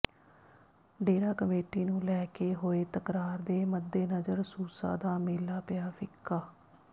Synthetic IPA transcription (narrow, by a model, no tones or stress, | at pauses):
ɖeːɾaːkəmeːʈiːnũːlɛːkeːɦoːeːt̪əkɾaːɾd̪eːməd̪ːeːnəzəɾsuːsa̰ːd̪aːmɪːlaːpɪjaːfʰɪkːaː